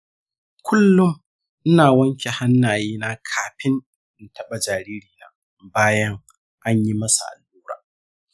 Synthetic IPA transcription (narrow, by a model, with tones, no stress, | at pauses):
kʷʰʊ˦lːʊ˦ŋ | ʔɪ˦naː˨wɐ˦ŋkʲe˨ha˦nːaː˨jeː˦na˦kʰaː˨ɸɪ˦n | ʔɪ˦˨ntʰɐ˦ɓa˨d͡ʒaː˨ɾiː˦ɾiː˨na̰ː˨ | baː˦jɐ˦ŋ | ʔa˦ɲji˦mɐ˦sa̰˨ʔa̰˨lʔuː˦ɾa̰ː˨